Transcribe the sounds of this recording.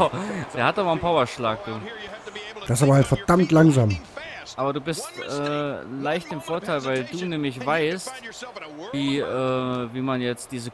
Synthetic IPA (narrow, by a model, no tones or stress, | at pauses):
d̥eːɐhataːmanpʰaʊɐʃlaːk̚d̥uː | d̥asaːbɐhaltfɛɐd̥amtlaŋzaːmʔaːbɐduːbɪstʔɛːlaɪçtɪmfoːɐtʰaɪlvaɪlduːnɛːmɪç̬v̥aɪst | viːʔɛːviːmanjɛt͡std̥iːzə